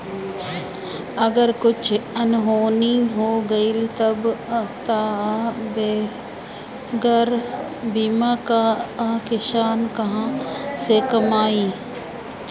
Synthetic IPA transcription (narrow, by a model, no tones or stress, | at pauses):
ɐɡəɾkʊt͡ʃʰɐnɦoːniɦoːɡɐilt̪ɐbt̪abe | ɡəɾ | biːmakakeʃaːnkɐɦãsekɐmaːiː